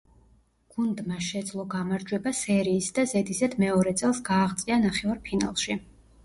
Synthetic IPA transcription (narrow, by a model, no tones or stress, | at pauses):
ɡ̥und̪maʃɛd̪zlˠɔɡamaɾd͡ʒwɛbasɛɾiːsd̪azɛd̪isad̪mɛɔɾɛt̪sʼɛlˠsɡaːʁt̪sʼianaχɛvaɾpʰina̰lˠʃi